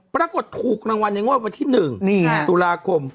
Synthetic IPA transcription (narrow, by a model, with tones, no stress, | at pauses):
pɾaː˧ko˨˩t̪ʰːuː˨˩k̚ɾaː˧ŋwa˧nːa˧jŋu˥˩ək̚wa˧nt̪ʰiː˥˩nɯ˨˩ŋniː˥˧t̪u˧laː˧kʰo˧m